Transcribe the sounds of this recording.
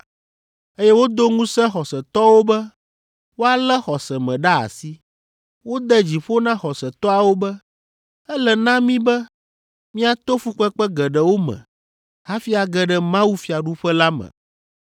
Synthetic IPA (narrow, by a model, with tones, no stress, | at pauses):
e˦jɛ˦wo˦d̪o˦ŋũ˦sɛ̃˦xɔ˨sɛ˨t̪ɔ˦wo˦bɛ˦ | wo˦a˦lɛ˦xɔ˨sɛ˨mɛ̃˨ɖa˦a̰˨si˦ | wo˦d̪ɛ˦d͡ʑi˨ɸo˦nã˦xɔ˨sɛ˨t̪ɔ˦a˨wo˦bɛ˦ | ɛ˦lɛ˨nã˦mĩ˦bɛ˦ | mĩ˦a˨t̪o˦fu˦k͡pɛ˦k͡pɛ˦ɡɛ˨ɖɛ˨wo˦mɛ̰̃˨ | ha˦fi˦a˨ɡɛ˦ɖɛ˦mã˦wu˦fi˨a˨ɖu˦ɸɛ˦la˦mɛ̰̃˨